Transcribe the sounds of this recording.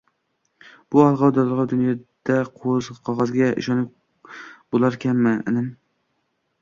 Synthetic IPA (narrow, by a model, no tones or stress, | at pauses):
b̥ʊɒlˠʁɑwd̪alˠlˠʁɑwd̪ʊnjɒd̪̥aqʰozqʰɒʁɑzɡʲaʔɪ̰ʃɒnɪ | b̥olˠaɾkʲʰamːɪɪ̰nɪm